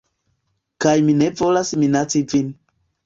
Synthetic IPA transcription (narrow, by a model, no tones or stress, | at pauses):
kajmine̞vo̞lasminat͡sivin